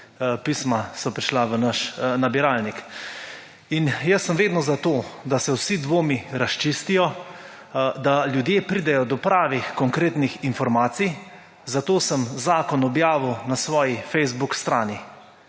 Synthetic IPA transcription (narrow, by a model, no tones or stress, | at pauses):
pismasɔpɾiʃlaʋənaʃnabiɾaːlnik | injəsːəmʋeːd̪nɔzat̪oːd̪asɛwsid̪ʋoːmiɾast͡ʃist̪ijɔ | d̪aljud̪jeːpɾiːd̪ɛjɔd̪ɔpɾaːʋixkɔŋkɾeːt̪nixinfɔɾmaːt̪sij | zat̪oːsəmzaːkɔnɔbjaːʋəwnasʋɔːjifɛjzbukst̪ɾaːni